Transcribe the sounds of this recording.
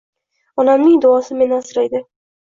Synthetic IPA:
ɒnamnɪŋd̪ʊɒsɪme̞nasɪɾajd̪ɪ

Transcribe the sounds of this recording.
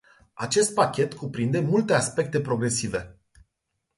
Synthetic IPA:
at͡ʃe̞st̪̚pakʲe̞t̪kupɾind̪e̞mult̪e̞aspe̞k̚t̪e̞pɾo̞ɡɾe̞sive̞

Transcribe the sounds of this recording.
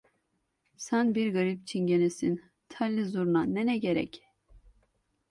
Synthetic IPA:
sanbiɾɡɯɾip̚t͡ʃʰinɟenɛsin | t̪ʰalʲːizuɾnanɛnɛɟeɾɛ̰c

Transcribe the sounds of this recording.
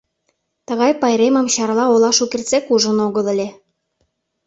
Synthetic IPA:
t̪ɤ̆ɣɑjpɑjɾemɤ̆mɕɑrlɑolɑʃukert͡sekuʒə̆noɣɤ̆lə̆lʲe

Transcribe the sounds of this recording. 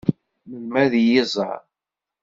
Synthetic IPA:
məmːæðjɪzˤə̰ɾ

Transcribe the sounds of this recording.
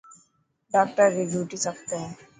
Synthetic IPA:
ɖaːk̚t̪əɾbid͡ʒʱuːʈisɐk̚t̪eɦɛ̃ː

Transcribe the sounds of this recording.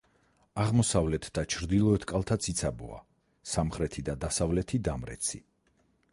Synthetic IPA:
aʁmɔsavlɛt̪ʰd̪at͡ʃʰɾd̪ilˠɔɛt̪ʰkʼalˠt̪ʰat̪sʰit̪sʰabɔ̰a̰ | samχɾɛt̪ʰid̪ad̪asavlɛt̪ʰid̪amɾɛ̰t̪sʰi

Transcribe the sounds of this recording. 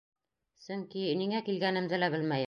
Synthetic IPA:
sɵŋkiniŋækilɡænɘ̆md̪ɘlæbɘlmæj

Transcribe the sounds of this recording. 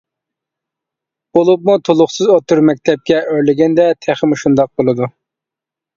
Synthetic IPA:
b̥olˠup̚mut̪ʰolˠʊχsɨzot̪uɾmɛk̚ʲt̪ʰɛp̚kʲɛʔøɾlɪɡʲɛnd̪ɛt̪ʰæχɪmuʃund̪ɑq̚bolˠɨd̪u

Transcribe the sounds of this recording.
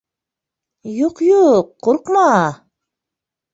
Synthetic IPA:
juqjuqːuɾqmɑ

